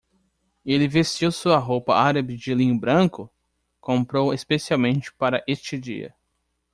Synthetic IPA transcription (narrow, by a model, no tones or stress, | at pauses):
elɪvestewsuɐɦowpɐaɾɐbɪd͡ʒɪlĩɲʊbɾɐ̃kʊ | kõmpɾowespesiawmẽnt͡ʃɪ̥paɾɐʔest͡ʃɪd͡ʒḭɐ̰